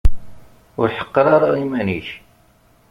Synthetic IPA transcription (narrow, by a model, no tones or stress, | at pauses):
ʊɾħə̥qːɑɾˤaɾaimæniç